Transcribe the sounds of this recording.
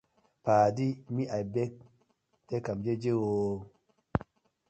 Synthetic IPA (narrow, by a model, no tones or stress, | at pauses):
paːdimiʔajbek̚ | tekamd͡ʒed͡ʒewo